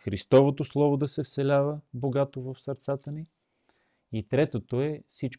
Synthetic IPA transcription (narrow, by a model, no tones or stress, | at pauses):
xɾist̪ɔvot̪oslˠɔvod̪ɐsɛfsɛlʲavəboɡat̪ovəfsəɾt̪sat̪əni | it̪ɾɛt̪ot̪oɛfsit͡ʃ